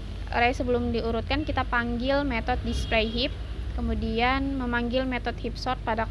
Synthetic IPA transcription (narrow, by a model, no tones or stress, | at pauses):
ɾajsəbəlʊmdiuɾut̪̚kankit̪apaŋɡɪlmet̪ɔt̪̚dispɾejɦip̚ | kəmudianməmaŋɡɪlmet̪ɔt̪̚hip̚sɔrt̪̚pada